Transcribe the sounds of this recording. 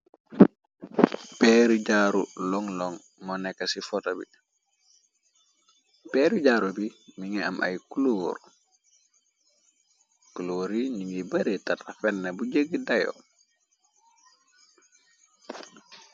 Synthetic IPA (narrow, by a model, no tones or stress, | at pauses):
pɛːɾiɟaːɾṵlɔŋlɔŋ | mɔnɛkːɐsifɔtobḭ | pɛːɾiɟaːɾubimiŋɛɐ̰mʔa̰jkuloːɾ | kuloːɾiɲiŋɡibɐɾetatafɛnːɐbuɟəɡːədɐjo̰